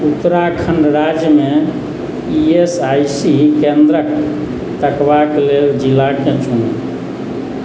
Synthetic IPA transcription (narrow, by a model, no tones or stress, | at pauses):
ut̪ːɾakʰəɳɖɾad͡ʒjəmẽ | iesajsikẽnd̪ɾək | t̪əkbakleld͡ʒilːakẽt͡ʃʰun